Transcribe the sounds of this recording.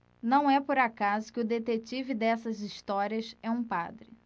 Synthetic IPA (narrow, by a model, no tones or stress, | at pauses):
nɐ̃w̃ɛpoɾakazʊkɪʊd̪et̪et͡ʃivɪd̪ɛsɐziʃt̪ɔɾiɐsɛũpa̰d̪ɾɪ